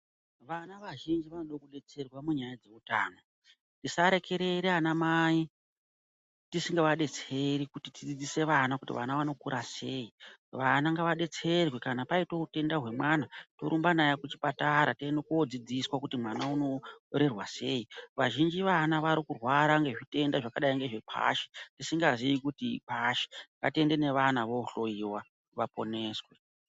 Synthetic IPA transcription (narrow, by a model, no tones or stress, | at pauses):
ʋanaʋaʒind͡ʒiʋanoɗokuɗe̞t͡se̞rwamuɲajad͡ze̞utaːno | tisaɾe̞ke̞ɾe̞ɾeanamai | tisiŋɡeʋaɗe̞t͡se̞ɾikutitid͡zid͡zise̞ʋanakutḭʋa̰naʋano̞kuɾʔase̞ːiʋanaŋɡaʋaɗe̞t͡se̞rwekanapaitoute̞ndaɦwe̞mwanato̞̰ɾumbanajakut͡ʃi̥pataɾateenokuod͡zid͡ziswakutimwanauno̞ɾerwase̞ːiʋaʒind͡ʒiʋanaʋaɾikurwaɾaŋɡe̞ʐite̞ndaʐakaɗaiŋɡe̞ʐepʰa̰ʃe̥tisiŋɡaziikutḭpaʃe̥ka̰te̞nde̞ne̞ʋanaʋo̞ɬo̞iwa | ʋapo̞̰ne̞ːswe̞